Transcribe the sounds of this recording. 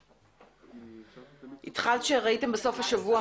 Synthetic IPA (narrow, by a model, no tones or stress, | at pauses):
ʔit̪χalt̪ʃeʁaitembeso̞fhaʃavua